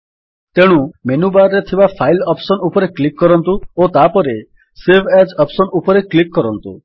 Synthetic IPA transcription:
t̪eɽ̃umenubaɾɾet̪ʰibapʰajlɔpsɔnupɔɾeklikːɔɾɔnt̪uot̪apɔɾe | sebʰʱed͡ʒɔpsɔnupɔɾeklikːɔɾɔnt̪ṵ

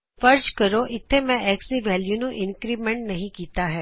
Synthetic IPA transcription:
fɐɾd͡ʒkɐɾoʔɪt̪ʰːemɛ̃ɛːksiʋɛːljunoʔɪ̃nkɾiːbmẽɳʈnɐɦĩkiːt̪aɦɛː

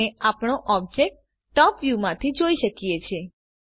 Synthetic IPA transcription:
eapɳoʔɔb̚d͡ʒek̚ʈ̚ː | ɔpʋjumãt̪ʰid͡ʒoiʃəkijet͡ʃʰe

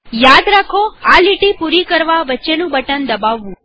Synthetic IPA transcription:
jad̪ɾakʰoaliʈipuɾikəɾʋaʋətːʃenũbəʈənd̪əbaʋːũ

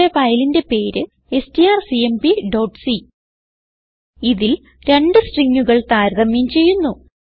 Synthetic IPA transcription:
eʋɐjlinde̞pe̞ːɾɨ | e̞stiaːrsiembiɖoːʈsi | iðil | ɾe̞ɳɖɨsʈriŋːuɣɐɭt̪aːɾɣɐmjimt͡ɕe̞jːunːu

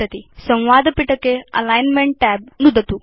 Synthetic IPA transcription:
ɐt̪isɐ̃w̃ʋaːd̪ɐpiʈɐkːeɐ̰laːjnmeɳʈːaːb̚nud̪ɐt̪u

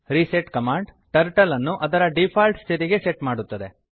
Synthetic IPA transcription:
ɾiseʈkɐmaːɳɖʈɐɾʈɐlɐnːuʔɐd̪ɐɾɐɖipʰaːlʈst̪ʰiɾiɡe̞seʈmaːɽut̪ːɐd̪e̞

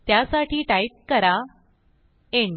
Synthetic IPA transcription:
t̪jasaʈʰiːʈaip̚kəɾa | eɳ

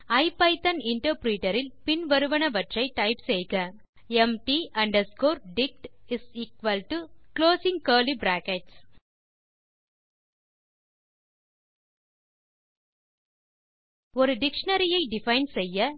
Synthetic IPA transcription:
ɐɪpɐɪt̪ɐnɪɳʈɐɾpɾiːʈɐɾɪlpɪnʋɐɾɯʋɐɳɐʋɐʈrɐɪʈɐɪpsɛjɣɐ | ɛmʈiɐɳɖɐskoːɾɖɪk̚ʈɪsiːkʋɐlʈukloːsɪ̃ŋkɐːlibɾaːkɛʈs | ɔɾɯɖɪkʂɐnɐɾɪjɐɪɖɪfɐɪnsɛjːɐ

